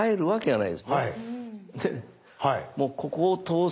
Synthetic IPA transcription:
aeɾɯ̟βake̞d͡ʑanaḭd̪e̞sɨna | d̪e | haimoːkʰo̞ko̞ːt̪o̞ː

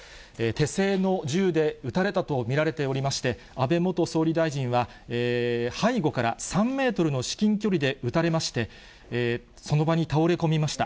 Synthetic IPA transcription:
et̪e̞se̞ːno̞ʑɨːd̪e̞ɯ̟t̪aɾe̞t̪at̪o̞mʲiɾaɾe̞t̪e̞o̞ɾʲimaɕi̥t̪e̞ | abe̞mo̞t̪o̞so̞ːɾʲid̪aiʑĩɰ̃βa | eːhaiɡo̞kaɾa̰sãmːe̞ːt̪o̞ɾɯ̟no̞ɕi̥kʲĩŋkʲo̞ɾʲid̪e̞ɯ̟t̪aɾe̞maɕi̥t̪e̞ | so̞no̞baɲ̟it̪ao̞ɾe̞ko̞mʲimaɕi̥t̪a̰

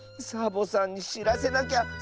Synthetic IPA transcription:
sabo̞sãɲ̟ːiɕiɾase̞nak̬ʲa

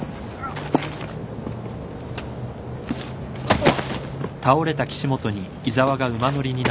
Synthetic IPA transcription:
t̪ao̞ɾe̞t̪akʲi̥ɕimo̞t̪o̞ɲ̟iːzaβaɡaɯ̟mano̞ɾʲiɲ̟in

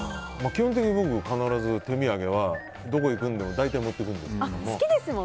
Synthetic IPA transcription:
makʲihõt̪̬e̞kʲiɲ̟ibo̞kɯ̟kanaɾazɨt̪e̞mʲiaɡe̞β̞a | d̪o̞ko̞ikɯ̟̃nd̪e̞mo̞d̪ait̪aimo̞t̪ːekɯ̃nd̪e̞ksɨ̥kd̪omsoɨkʲid̪esɨmo

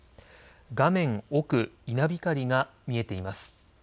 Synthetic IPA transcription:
ɡamẽ̞ŋo̞kɯ̟inabʲikaɾʲiɡamʲie̞t̪e̞imasɨ̥

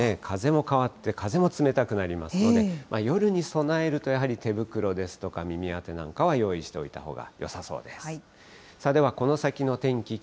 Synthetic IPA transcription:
ekʰaze̞mo̞kaβat̪ːe̞kaze̞mo̞t͡sɨme̞t̪akɯ̟naɾʲimasɨno̞d̪e̞mʔajo̞ɾɯ̟ɲ̟iso̞nae̞ɾɯ̟t̪o̞jaɦaɾʲit̪e̞bɯ̟kɯ̟ɾo̞d̪e̞sɨ̥t̪o̞kamʲimʲiat̪e̞nã̰ŋkaβ̞ajo̞ːiɕi̥t̪e̞o̞̰it̪a̰ho̞̰ːɡa̰jo̞̰saso̞̰ːd̪e̞s | sad̪e̞β̞ako̞no̞sakʲino̞t̪ẽ̞ŋkʲi

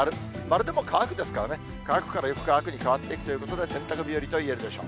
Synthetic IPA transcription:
aɾɯ̟ | maɾɯ̟d̪e̞mo̞kʰaːkɯ̟d̪esɨ̥kaɾane | kaːkɯ̟̥kaɾajokɯ̟̥kaːkɯ̟ɲ̟ikaβat̪ːeiki̥t̪o̞jɯ̟kot̪o̞d̪e̞sẽ̞nt̪ːakɯ̟bʲioɾʲit̪o̞ie̞ɾɯ̟d̪e̞ɕo̞̰ː

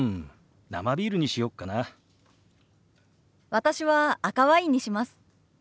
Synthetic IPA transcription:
na̰mabʲiːɾɯ̟ɲ̟iɕijo̞kːana | βat̪aɕiβaːkaβaiɲ̟iɕimasɨ̥

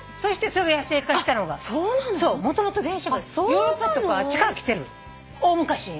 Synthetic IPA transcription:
so̞ɕi̥t̪e̞soɾeɡajaseːkaɕii̥t̪ano̞ɡasoːnãnso̞ːmo̞t̪o̞mot̪o̞d̪ẽ̞ɰ̃ɕaɡsojoːɾopːat̪okaβat͡ɕi̥kaɾakʲi̥t̪e̞ɾɯ̟ | oːmɯkaɕi

